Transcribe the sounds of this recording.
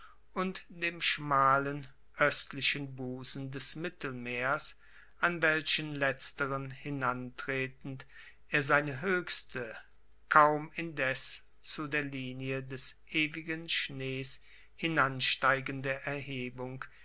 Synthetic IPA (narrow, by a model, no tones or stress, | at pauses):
ʔʊntd̥eːmʃmaːlən | ʔœstlɪʃənbuːzn̩dɛsmɪtl̩meːɐs | ʔanvɛlʃənlɛt͡stəʁənhɪnantʁ̥eːtn̩t | ʔeːɐzaɪnəɦøːçstʰə | kʰaʊmɪndɛs | t͡sudeːɐliːniədɛsʔeːvɪɡənʃneːs | hɪnanʃtaɪɡəndəʔɛɐhɦeːbʊŋk